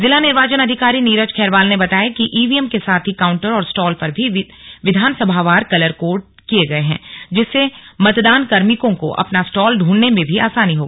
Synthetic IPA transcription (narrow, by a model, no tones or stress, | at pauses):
zɪlanɪɾʋaːt͡ʃənɐd̪ʱɪkaːɾiniːɾət͡ʃkʰɛːɾʋaːlnebɐt̪aːjakiʔiːʋiɛmkesaːt̪ʰɦikaːʊ̃ɳʈəɾɔːɾsʈɔːlpɐɾbʱi | ʋɪd̪ʱaːnsəbʱaʋaːɾkɐləɾkoːʈ̚ | kijeɡɐeɦɛ̰̃ːd͡ʒɪsːemɐt̪d̪aːnkɐɾmɪkõko̰ʔɐ̰pnasʈɔːlɖʱũːɳnemẽbʱiaːsaːniɦoːɡaː